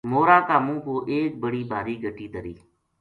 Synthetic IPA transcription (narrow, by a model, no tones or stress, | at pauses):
moːɾaːkaːmũːpoːʔeːk̚bəɽiːbʱaːɾiːɡʱəʈiːd̪əɾiː